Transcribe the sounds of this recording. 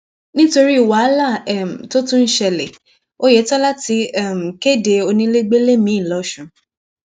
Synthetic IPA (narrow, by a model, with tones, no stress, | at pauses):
nĩ˦to˧ɾi˦i˨wa˨˦la˦˨ɛ˦˨m̩˨to˦tũ˦n̩˦ʃɛ˧le˨ | o˦je˨˦tɔ˦la˦ti˧ɛ˦˨m̩˨ke˦˨de˧o˧nĩ˧˦le˦ɡ͡be˦le˦mĩ˨˦˨lɔ˨˦ʃũ˨˦